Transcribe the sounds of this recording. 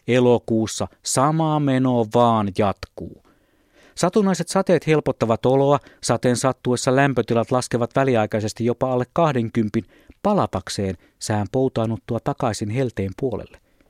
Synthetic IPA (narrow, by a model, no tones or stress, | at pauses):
elokuːsːɑsɑmɑmenoʋɑːnjɑt̪kuː | sɑt̪unɑiset̪sɑt̪eːt̪he̞lpot̪ːɑʋɑt̪oloɑsɑt̪ensɑt̪ːuosːɑlæmpøt̪ilɑt̪lɑskeʋɑt̪ʋæliɑikɑisest̪ijopɑɑlːekkɑhdeŋkympin | pɑlɑp̪ɑkseːn | sehæmpout̪ɑːnːut̪ːuɑt̪ɑkɑisinhelt̪eːmpuolḛlːe